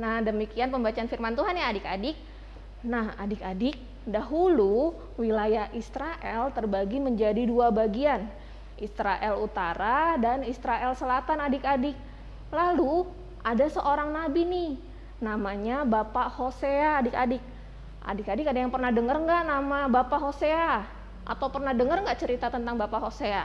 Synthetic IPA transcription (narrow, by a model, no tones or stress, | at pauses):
nahdəmikianpəmbat͡ʃaːnfirmant̪uɦanjaːdɪkadɪk̚ | nahadɪkadɪk̚ | daɦulu | wilajahist̪ɾaʔɛ̰lt̪ərbaɡiməɲd͡ʒadiduabaɡian | ʔist̪ɾaʔɛlut̪aɾadanist̪ɾaʔɛlsəlat̪anadɪkadɪk̚ | lalu | adasəʔoɾaŋnabinɪh | namaɲabapaʔhoseaːdɪkadɪk̚ | ʔa̰dɪkadɪkadajaŋpərnahdəŋərŋɡaʔnamabapaʔɦosea | ʔa̰t̪awpərnahdəŋərŋɡaʔt͡ʃəɾit̪at̪ənt̪aŋbapaʔɦosea